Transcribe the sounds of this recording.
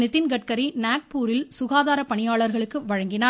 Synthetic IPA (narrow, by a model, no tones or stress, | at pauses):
nɪt̪ːɪnɡɐʈ̚kɐɾinaːk̚puːɾɪlsʊɣaːðaːɾɐpɐɳɪjaːɭɐɾɣɐɭɯkːɯʋɐɻɐŋɡɪnaː